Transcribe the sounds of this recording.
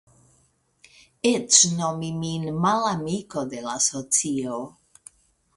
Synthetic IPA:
et͡ʃnomiminmalamiko̞de̞lasot͡sio

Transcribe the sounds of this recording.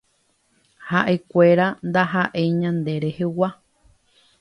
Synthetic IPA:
haʔekʷeɾand̪aɦaʔeɲãnd̪eɾehewa

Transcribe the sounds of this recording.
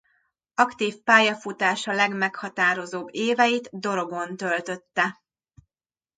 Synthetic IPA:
ɒkt̪iːfpaːjɒfut̪aːʃɒlɛɡmɛkhɒt̪aːɾo̞zoːbːeːvɛjit̪d̪o̞ɾo̞ɡo̞nt̪ølt̪ø̞t̪ːɛ

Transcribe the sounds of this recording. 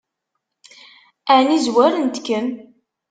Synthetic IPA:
ænizwæɾənt̪kːən

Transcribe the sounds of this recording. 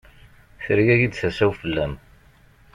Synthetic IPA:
θəɾjæjid̪θæsæwfəlːæm

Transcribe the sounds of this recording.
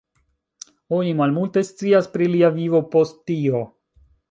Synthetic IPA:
onimalmulte̞st͡siaspɾiliavivo̞po̞stːio̞

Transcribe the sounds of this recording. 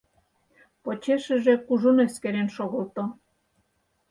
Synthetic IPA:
pot͡ɕeʃə̆ʒe̽kuʒoneskeɾenʃoɣəlt̪o

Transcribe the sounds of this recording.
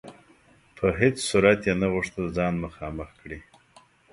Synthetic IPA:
pʰəɦet͡ssuɾat̪jenaɣʊʂt̪əld͡zɑnməxɑməxkɽi

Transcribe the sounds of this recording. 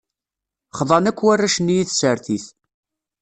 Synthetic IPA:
χðˤɑnækʷːwarːaʃənːijiθsəɾθiθ

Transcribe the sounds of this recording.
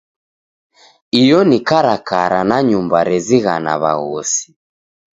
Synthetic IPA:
ijɔnikaɾakaɾanaɲumbaɾɛziɣana̰βa̰ɣɔsi̥

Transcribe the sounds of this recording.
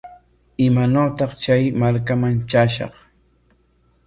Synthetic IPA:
ɪmanoːt̪ɑχt͡ʃajmaɾkamant͡ʃaʃɑ̰χ

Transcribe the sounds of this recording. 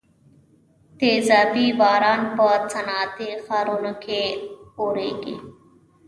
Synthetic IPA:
t̪eːzaːbibaːɾaːnpəɾt͡sʰənaːt̪exaːɾunkʰeoːɾeːɡḛ

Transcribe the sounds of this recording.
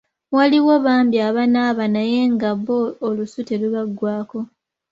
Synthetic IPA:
waliwo̞βaːmbiaβanaːβanaje̞ːŋɡaβoːlusute̞luβaɡːwaːko̞

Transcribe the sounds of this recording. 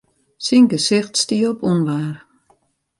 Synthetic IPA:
siŋɡəsɪxtstiəɔpunʋaːr

